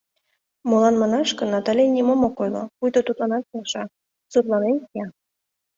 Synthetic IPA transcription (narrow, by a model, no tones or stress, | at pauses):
molˠɑnmɑnɑʃkɤ̆nːɑt̪ɑlʲenʲimomokojlo̰pujd̪ot̪ut̪lˠɑnɑt̪̚kelʃɑ | sut̪lˠɑnenjɑ